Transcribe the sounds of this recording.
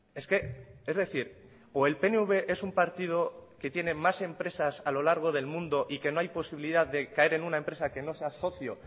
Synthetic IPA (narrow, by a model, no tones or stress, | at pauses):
e̞ske̞e̞zðe̞θiɾ | oe̞lpe̞neuβe̞ʔe̞sumpaɾt̪ið̞o̞ke̞t̪je̞ne̞mase̞mpɾe̞sasalo̞laɾɣ̞o̞ð̞e̞lmũnd̪o̞ʔike̞no̞ajpo̞siβiliðaððe̞kae̞ɾe̞nunaempɾe̞sake̞no̞se̞aso̞θjo